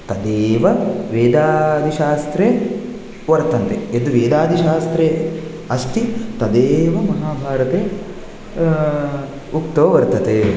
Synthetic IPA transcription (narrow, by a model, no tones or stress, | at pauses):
t̪ɐd̪eːʋɐʋeːd̪aːd̪ʱiʃaːst̪ɾe | ʋɐɾt̪ɐnt̪eed̪uʋeːd̪aːd̪ʱiʃaːst̪ɾe | ɐst̪it̪ɐd̪eːʋɐmɐɦaːbʱaːɾɐt̪eː | ukt̪ɐʋɐʋɐɾt̪ɐt̪e